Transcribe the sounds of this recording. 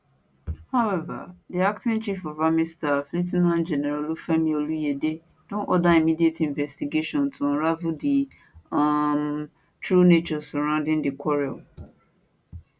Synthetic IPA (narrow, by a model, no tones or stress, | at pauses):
haʊɛva̰diak̚tĩnt͡ʃifɔvamistaflit̬nãnd͡ʒɛnɛɾalufɛmĩolujede | d̥õnʔɔdaimidietĩɱvɛstiɡeʃɔ̃ntʰuɔ̃ɾavudi | m | tɹunet͡ʃɔsɔɾãʊ̃ndɪ̃ŋdikɔɹiɔl